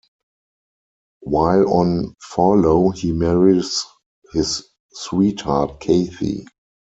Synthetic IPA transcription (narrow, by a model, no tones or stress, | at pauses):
waɪlɔ̃nfɔloʊhiːmɛɹis | hɪsː | wiːthatkʰeɪθḭ